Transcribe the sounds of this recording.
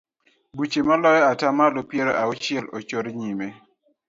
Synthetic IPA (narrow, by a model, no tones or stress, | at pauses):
but͡ʃemalɔjɔatamalopjeɾoaʊt͡ʃɪɛlot͡ʃoɾɲime